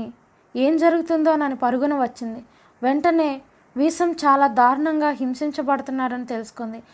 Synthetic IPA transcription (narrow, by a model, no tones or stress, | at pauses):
i | e̞ːmd͡ʒɐɾuɡut̪und̪o̞ːnɐnipɐɾuɡunɐʋɐt͡ʃːind̪i | ʋe̞ɳʈɐne̞ː | ʋiːsɐmt͡ʃaːlaːd̪ʱaːɾɐɳɐŋɡaːɦimsiɲt͡ʃɐbɐɽut̪unːaːɾɐnit̪e̞lusu̥kond̪i